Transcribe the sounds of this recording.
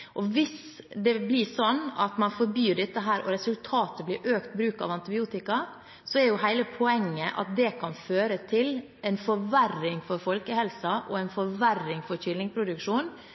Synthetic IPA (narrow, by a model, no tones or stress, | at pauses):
ʔɔʋɪs | d̪ɛblɪsɔnːɑ̰t̪mɑnfɔɾbyːɖɛt̪ːəɦæːɾʔɔ̰ɾɛsʉlt̪ʰɑːt̪əbliːɾʔøːkt̪bɾʉːkɑ̰ːʋɑnt̪ɪbɪuːt̪ɪkɑ | sɔɛɾjʊɦæɪləpʰɔɛŋːəʔɑ̰t̪̚d̪ɛkʰɑnføːɾət̪ʰɪl | ʔɛnfɔɾʋærɪŋfɔɾfɔlkəhɛlsɑʔɔɛɪnfɔɾʋærːɪŋfɔɾçɪlnɪŋpʰɾʊd̪ʉkʂuːn